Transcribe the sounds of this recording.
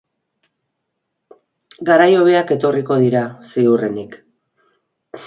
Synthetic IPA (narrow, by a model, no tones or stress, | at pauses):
ɡaɾajo̞β̞e̞ake̞t̪o̞riko̞ð̞iɾaseurenik